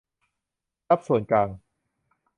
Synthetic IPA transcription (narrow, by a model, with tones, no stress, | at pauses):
a˦˥p̚su˨˩˦nklaː˧ŋ